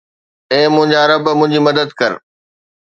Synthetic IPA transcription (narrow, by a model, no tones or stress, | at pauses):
eːmʊ̃ɦɪ̃ɲd͡ʑaɾɐbmʊ̃ɦɪ̃ɲd͡ʑiːmɐd̪əd̪kɐɾ